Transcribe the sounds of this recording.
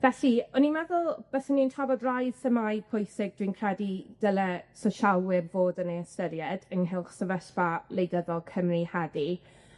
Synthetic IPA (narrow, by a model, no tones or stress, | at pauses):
vɛɬiɔnimɛðʊlˠb̥ɛsənːintʰavɔdrajsəmaj̚pʰʊjsɪɡ̚d̥wiːnkʰrɛdid̥əlɛsɔʃawwɪrvoːdənejəstəɾjɛdənɦɪlˠχsəvəɬvalejdəðɔlˠkʰəmrihɛdi